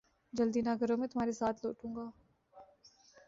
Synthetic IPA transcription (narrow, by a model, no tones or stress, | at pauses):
d͡ʒəld̪iːnaːɡəɾõːmẽːt̪ʊm̤aːɾesaːt̪ʰlo̰ːʈũːŋɡaː